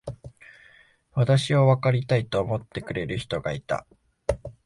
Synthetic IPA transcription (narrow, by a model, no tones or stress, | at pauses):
βat̪aɕioβakaɾʲit̪ait̪o̞ːmo̞t̪ːe̞kɯ̟ɾe̞ɾɯ̟çi̥t̪o̞ɡait̪a̰